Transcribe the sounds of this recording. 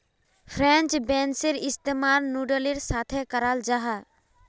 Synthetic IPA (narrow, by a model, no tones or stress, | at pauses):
pʰɾɛ̃nt͡ʃbɛ̃ːnseɾɪst̪emaːɾnuːɖəleɾsaːt̪ʰekəɾald͡ʒaɦa